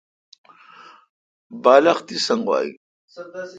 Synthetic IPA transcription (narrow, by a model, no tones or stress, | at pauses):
baːlɐχt̪isɐŋɡwa̰ːḭ